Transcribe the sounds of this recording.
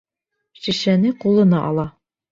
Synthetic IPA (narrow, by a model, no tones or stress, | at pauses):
ʃiʃænɘqulˠɤ̆nɑʔɒ̰lˠɑ